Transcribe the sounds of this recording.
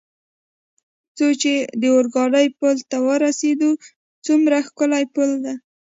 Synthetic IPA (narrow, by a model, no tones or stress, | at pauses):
t͡sot͡ʃed̪əoɾɡɑɖəjpəlt̪awəɾased̪u | t͡sumɾaxkəlajpəld̪a